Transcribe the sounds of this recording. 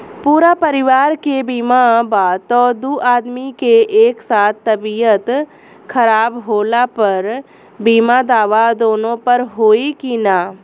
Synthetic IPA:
puːɾapɐɾɪʋaːɾkebiːmabaːt̪ɔːd̪uːʔaːd̪mikeʔeːksaːt̪ʰːɐbijət̪ | kʰɐɾaːbɦoːlapɐɾ | biːmad̪aːʋad̪oːnõpɐɾɦoːikinaː

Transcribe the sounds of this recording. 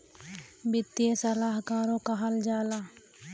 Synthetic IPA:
bɪt̪ːijesɐlaːɦkãːɾõkaɦɐld͡ʒaːlaː

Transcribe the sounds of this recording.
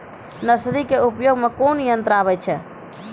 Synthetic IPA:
nəsɾikeupjoɡmekonijənt̪ɾaβɛt͡ʃʰɛ

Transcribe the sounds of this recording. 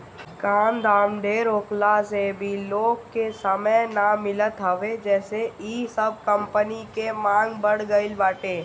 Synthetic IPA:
kaːnd̪ʱaːmɖeːɾoːklasebʱiloːɡkesəməjnamɪlət̪ɦɐʋed͡ʒɛːseiːsəb̚kə̃mpənikemãːŋɡbəɽɡəɪlbaːʈeː

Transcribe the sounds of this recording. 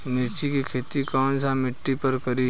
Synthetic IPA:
mɪɾt͡ʃikikʰeːt̪ikaːnsãmɪʈːipɐɾkɐɾi

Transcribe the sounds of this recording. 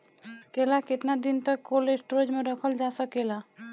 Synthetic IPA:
kelakɪt̪nad̪int̪əkːolesʈɾod͡ʒmẽɾəkʰəld͡ʒasəkela

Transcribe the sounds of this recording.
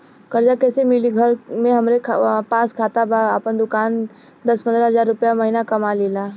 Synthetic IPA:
kəɾd͡ʒakɛːsemɪliɡʱəɾmẽɦɐmɾekʰpaːskʰaːt̪abaapənd̪ʊkaːn | d̪ɐspə̃nd̪ɾəɦəzaːɾːʊpjamɐɦinakɐmaleːlaː

